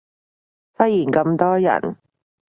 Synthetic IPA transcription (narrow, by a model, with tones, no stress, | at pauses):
fɐ˥t̚jiː˨˩nkɐ˧mt̪ɔː˥jɐ̰˨˩n